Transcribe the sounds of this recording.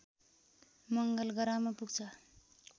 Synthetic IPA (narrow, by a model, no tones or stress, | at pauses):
mʌŋɡʌlɡʌɾamʌpuɡt͡sʰʌ